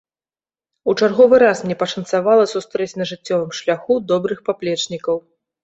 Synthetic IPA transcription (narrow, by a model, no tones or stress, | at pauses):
ut͡ʂarɣɔvɨɾasmnʲɛpɐʂɐnt̪savalˠɐsust̪ɾɛt͡sʲnɐʐɨt͡sʲːɔvɨmʂlʲaxud̪ɔbɾɨxpaplʲɛt͡ʂnʲikɐw